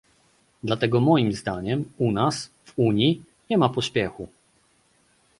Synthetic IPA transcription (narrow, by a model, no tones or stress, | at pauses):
d̪lat̪ɛɡɔmɔjimzd̪aɲɛmunas | vuɲji | ɲɛmapɔɕpʲjɛxu